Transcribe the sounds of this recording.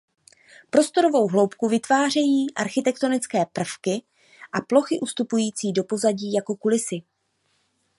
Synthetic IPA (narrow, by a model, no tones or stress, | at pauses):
pɾo̞st̪o̞ɾo̞vo̞wɦlo̞wpkuvɪt̪vaːr̝ɛjiːʔaɾxɪt̪ɛkt̪o̞nɪt͡skɛːpr̩fkɪ | ʔaplo̞xɪʔust̪upujiːt͡siːdo̞po̞zaɟiːjako̞kulɪsɪ